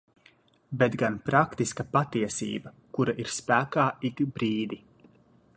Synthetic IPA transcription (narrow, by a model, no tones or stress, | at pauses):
bet̪ɡanpɾakt̪iskɐpat̪iɛsḭːbɐ | kuɾaʔiɾspæːkaːik̪bɾiːd̪i